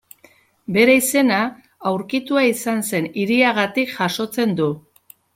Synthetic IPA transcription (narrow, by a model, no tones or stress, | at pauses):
be̞ɾeise̞na | awɾkit̪uaisanse̞niɾiaɣ̞at̪ikʝaʃo̞t͡se̞nd̪u